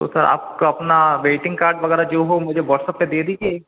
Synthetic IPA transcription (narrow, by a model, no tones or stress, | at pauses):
o̰sɐɾa̰ːp̚koɐpnaʋeːʈɪ̃ŋɡkaːɾɖʋɐɣɛːɾad͡ʒoːɦomʊd͡ʒʱeʋɔːʈsəpːẽd̪eːd̪iːd͡ʒe